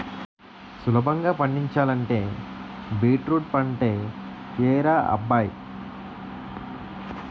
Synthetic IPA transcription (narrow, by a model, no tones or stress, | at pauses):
sulɐbʱɐŋɡaːpɐɳːiɲt͡ʃaːlɐɳʈe̞ːbiːʈɾuːʈ̚pɐɳʈeːkeːɾaːɐ̰bːaːj